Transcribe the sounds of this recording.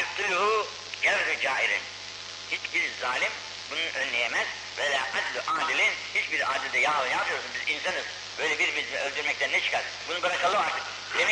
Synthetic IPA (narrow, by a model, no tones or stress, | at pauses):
t̪ʰuluhu | ɟæɾɦyd͡ʒaːiɾḭn | hit͡ʃbiɾzaːlʲim | bunuʔønlːʲejemæz̥ | vejaːʔad̪lʲuʔaːd̪ilʲinhit͡ʃbiɾaːd̪ilʲd̪ɛjaːlˠɯnjapʰɯjo̞ɾsunbizinsanɯz̥ | bøjlʲɛbiɾmyzmiølʲd̪yɾmɛc̚t̪ænɛt͡ʃʰɯ̥kʰaɾ | bunubɯɾakalˠɯoaɾt̪ʰɯ̥k̚ | d̪emɛ